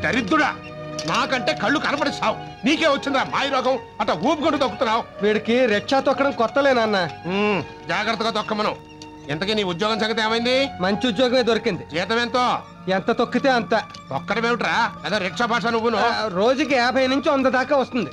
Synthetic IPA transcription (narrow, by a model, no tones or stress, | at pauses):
d̪ɐɾid̪ːuɽa̰ː | maːkɐɳʈe̞ːkɐɭːukɐnɐp̬ɐɽɐsaːw | niːkeːʋɐt͡ʃːind̪iɾaːmaːjiɾɔːkɐm | ɐʈːaːuːp̚ɡoɳʈːut̪ɐkːu̥t̪unːaːwʋiːɽikiɾɛʈʂaːt̪ɔkːɐɽɐmkɔt̪ːɐleːnɐnːa | d͡ʒaːɡɾɐt̪ːɐɡaːt̪ɔkːɐmːɐnɐm | int̪ɐkiːniːud̪jɔːɡɐms̬ɐŋɡɐt̪eːmɐjind̪imɐɲt͡ʃiud̪jɔːɡɐmeːd̪oɾikind̪id͡ʒɛːt̪ɐmeːnt̪oː | ent̪ɐt̪okːit̪eːɐnt̪ɐ | ɔkːɐɽɐmeːʋuʈɾaːeːd̪oːɾɛʈʂaːbʱaːʂaːnuʋːunuɾo̞ːd͡ʒuk̬iɛːbʱɐjɐnuɲt͡ʃiɐnd̪ɐd̪aːkaːʋɐst̪und̪i